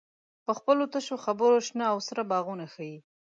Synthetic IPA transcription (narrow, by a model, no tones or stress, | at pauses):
pəxpəlot̪əʃoxabəɾoʃnaːwsɾabɑɣunaxai